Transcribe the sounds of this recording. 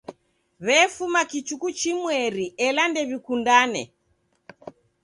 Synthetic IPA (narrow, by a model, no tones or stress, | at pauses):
βɛfumakit͡ʃukut͡ʃimwɛɾiʔɛlandɛβikundanɛ̰